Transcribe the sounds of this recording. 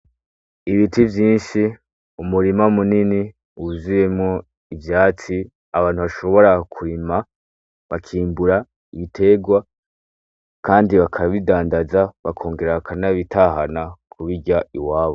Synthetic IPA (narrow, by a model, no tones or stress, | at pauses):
iβitʰivjiːnʃi | umuɾimamunini | uzuje̞mŋo | ivjaːt͡si | aβaːnhuβaʃo̞βo̞ɾakʰuɾima | βakʰiːmbuɾa | iβitʰe̞ɡwa | kaːndiβakʰaβidaːndazaβakʰo̞ːŋɡe̞ɾakanaβitʰaːɦanakʰuβiɟaiwaːβo